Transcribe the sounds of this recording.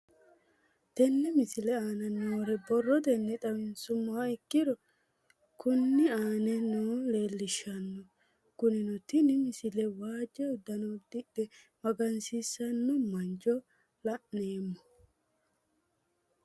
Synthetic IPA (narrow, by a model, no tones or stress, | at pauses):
t̪ɛnːɛmɪsɪlɛaːnɐnoːɾɛbɔrːɔd̪ɛnːɛt̪ɐwɪnsʊmːɐaɪkːɪd̪ɔ | kʊnːɪaːnɛnoːleːlːɪʃːɐnːɔ | kʊnɪnɔt̪ɪnɪmɪsɪlɛwaːd͡ʒːɛʊd̪ːɐnɔd̪ɪɗɛ | mɐɡɐnsisːɐnːɔmɐnd͡ʒɔ | lɐʔneːmːɔ